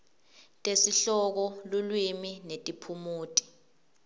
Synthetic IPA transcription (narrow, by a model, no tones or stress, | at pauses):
tʼesiɬɔk̬ɔlulwiminetʼipʰumuːtʼi̥